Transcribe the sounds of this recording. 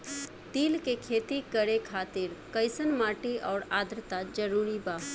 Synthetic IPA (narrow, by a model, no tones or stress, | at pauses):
t̪iːlkekʰeːt̪ikəɾekʰaːt̪ɪɾkəɪsənmaːʈiʔɔːɾaːd̪ɾət̪ad͡ʒəɾuːɾibaːɦ